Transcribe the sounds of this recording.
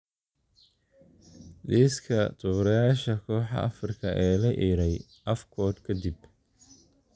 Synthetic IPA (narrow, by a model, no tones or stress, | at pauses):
d̪iːskʰɐt̪ʰʊβɾɐjaːʃɐkʰɔːħɑ̰ʔɐ̰frɪkʰɐʔɛːlɐʔiːɾɛj | ʔɐfkʰɔːd̪kʰɐd̪ɪb